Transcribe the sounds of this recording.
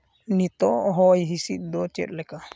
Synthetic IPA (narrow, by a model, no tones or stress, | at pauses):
nit̪ɔɦɔjɦisit̪̚ˀd̪ɔt͡ʃɛ̰t̪̚ˀlɛka